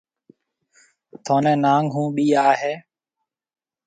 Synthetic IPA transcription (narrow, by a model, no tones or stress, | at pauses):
t̪ʰoːnɛ̃ːnaːŋɡɦũːɓiːaːɦeː